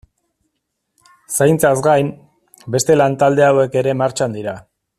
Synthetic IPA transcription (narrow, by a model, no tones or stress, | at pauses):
sajnt͡sazɡajm | be̞st̪e̞lant̪ald̪e̞awe̞ke̞ɾe̞maɾt͡ʃand̪iɾa